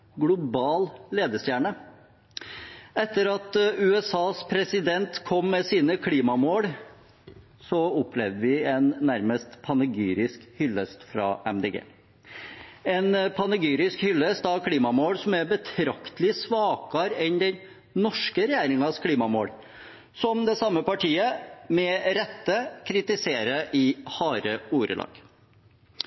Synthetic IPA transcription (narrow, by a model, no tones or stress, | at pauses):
ɡlʊbɑːlleːd̪əst̪jæːɳə | ɛt̪ːəɾɑt̪ʉɛsɑːspʰɾɛsɪd̪ɛnt̪kʰɔmːɛsiːnəkʰliːmɑmoːɽ | sɔʊplɛʋd̪əʋɪɛnːæɾməst̪pʰɑnəɡyːɾɪskhʏlːəst̪fɾɑ̰ʔɛmd̪eːɡḛː | ɛnpʰɑnəɡyːɾɪskhʏlːəst̪ɑʋkʰliːmɑmoːɽsɔmæɾbət̪ʰɾɑkt̪əlɪsʋɑːkɑɾɛnd̪ɛn | nɔʂkəɾɛjæːɾɪŋɑskʰliːmɑmoːɽ | sɔmd̪ɛsɑmːəpɑʈʰiːəmɛɾɛt̪ːəkʰɾɪt̪ɪseːɾəʔɪhɑːɾəuːɾə̰lʔɑ̰ːɡ̥